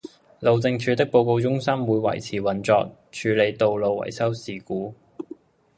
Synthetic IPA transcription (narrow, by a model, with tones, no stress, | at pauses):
lo˨wt͡sɪ˧ŋt͡ʃʰyː˨˧t̪ɪ˥k̚po˧wko˧wt͡sʊ˥ŋsɐ˥mwuː˨˧jwɐ̰˨˩jt͡sʰiː˨˩wɐ˨˩nt͡sɔː˧k̚ | t͡ʃʰyː˨˧le˨˧jt̪o˨wlo˨wːɐ̰˨˩jsɐ˥wsiː˨kuː˨˥